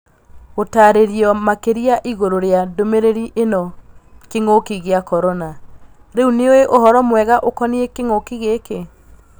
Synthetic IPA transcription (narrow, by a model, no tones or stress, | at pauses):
otaːɾeɾiɔmakeɾiaʔiɣoɾoɾeadomeɾeɾiʔenɔkeŋokiɣeakɔɾɔna | ɾeuneoeʔoɦɔɾɔmwɛɣaʔokɔniekeŋokiɣeke